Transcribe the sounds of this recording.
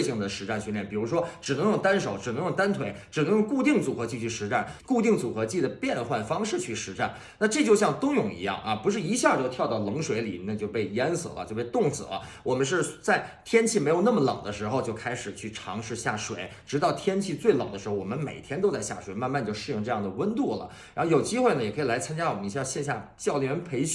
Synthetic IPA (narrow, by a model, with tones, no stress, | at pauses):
ɕi˧˥˩ŋd̪ə˩ʂɻ̩˧˥ʈ͡ʂa˥˩nɕy˥nljɛ˥˩npi˨˩ɻu˧˥ʂ̬wɔ˥ʈ͡ʂɻ̩˨˩nɤ˧˥ŋjɤ˥˩ŋt̪a˥nʂo˨˥ʊʈ͡ʂɻ̩˨˩nɤ˧˥ŋjʊ˥˩ŋt̪a˥nt̪ʰwe˧˥ɪʈ͡ʂɻ̩˨˩nɤ˧˥ŋjo˥˧ŋku˥˧t̪i˥˩ŋt͡su˨˩xɤ˧˥t͡ɕi˥˧t͡ɕʰy˥˩ʂɻ̩˧˥ʈ͡ʂa˥˩nku˥˧t̪i˥˩ŋt͡su˨˩xɤ˧˥t͡ɕi˥˩d̪ə˩pjɛ˥˧nxwa˥˩nfɑ˥ŋʂɻ̩˥˧t͡ɕʰy˥˩ʂɻ̩˧˥ʈ͡ʂa˥˩n | na˥˧ʈ͡ʂɤ˥˧t͡ɕjo˥˧ʊɕjɑ˥˩ŋt̪ʊ˥ŋjʊ˥˩ŋḭ˧˥jɑ̰˥˩ŋɐ̰˨pu˧˥ʂ̬ɻ̩˥˩i˧˥ɕja˥˩t͡ɕjo˥˧ʊt̪ʰjɑ˥˧ʊt̪ɑ˥˩ʊlɤ˧˥ŋʂwe˧˥ɪlḭ˨˩na˥˧t͡ɕjo˥˧ʊpe˥˩ɪjɛ˥nsɤ̰˨˥lə̰˦t͡ɕjo˥˧pe˥˧ɪt̪ʊ˥˩ŋsɹ̩̰˨˩lə̰˦wɔ˨˩mə˦nʂ̬ɻ̩˥˧t͡sa˥˩ɪt̪ʰjɛ˥nt͡ɕʰi˥˩me˧˥jo˨˩ʊnə˥˩mə˩lɑ̰˨˩ʊd̪ə˦ʂɻ̩˧˥xo˧ʊt͡ɕjo˥˧ʊkʰa˥ɪʂɻ̩˨˩t͡ɕʰy˥˩ʈ͡ʂʰɑ˧˥ŋʂɻ̩˥˧ɕja̰˥˩ʂwḛ˨˩˦ɪʈ͡ʂɻ̩˧˥ɑ˥˩ʊt̪ʰjɛ˥nt͡ɕʰi˥˧t͡swe˥˩ɪlɑ˨˩ʊd̪ə˦ʂɻ̩˧˥o˥˩wɔ˨˩mə˦nme˨˩ɪt̪ʰjɛ˥nt̪o˥ʊt͡sa˥˧ɪɕja̰˥˩ʂwe˨˧˥ɪma˥˧nma˥˧nt͡ɕjo˥˧ʊʂɻ̩˥˧jʊ˥˧ŋʈ͡ʂɤ˥˧jɑ˥˩ŋd̪ə˩wə˥nt̪u˥˩lə̰˩ | ɻa˧˥n˥o˥˩ʊjo˨˩ʊt͡ɕi˥xwe˥˩ɪnə˩jɛ˨˩kʰɤ˧˥i˨˩la˧˥ɪt͡sʰa˥nt͡ɕja˥wɔ˨˩mə˦ni˧˥˧ɕjɛ˥˧nɕ̬ja˥˩t͡ɕjɑ˥˩ʊlɥɛ˧˥npʰe˧˥ɪɕ